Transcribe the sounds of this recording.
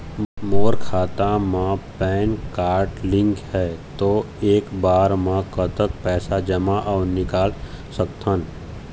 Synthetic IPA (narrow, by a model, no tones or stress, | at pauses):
moːɾkʰaːt̪amãpɛːnkaːɾʈlɪ̃ŋkhɛːt̪oː | eːkbaːɾmãkət̪ək̚pɛːsad͡ʒɐmaʔɔːɾnɪkaːl | sək̚t̪ʰən